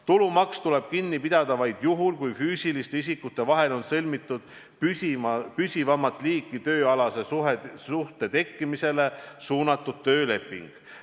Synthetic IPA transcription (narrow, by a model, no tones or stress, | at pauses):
t̪ulumɑkst̪ule̞b̥kinːipid̪̥ɑd̪̥ɑvɑjd̪̥juɦulkujfyːsilist̪eis̬ikːˑut̪ːˑe̞vɑɦe̞lo̞nsɤlʲmit̪ːˑud̪̥ | pypysʲivɑmːɑt̪ːˑliːkːˑit̪ø̞ːɑlɑse̞susuht̪e̞t̪e̞kːˑimise̞le̞suːnɑt̪ːˑud̥̪̚t̪ø̞ːle̞pːˑḭŋɡ̥